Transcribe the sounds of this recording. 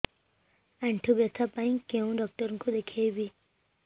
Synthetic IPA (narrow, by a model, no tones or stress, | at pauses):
ãɳʈʰubjət̪ʰapaĩkẽũɖɔk̚ʈəɾŋkod̪ekʰejbi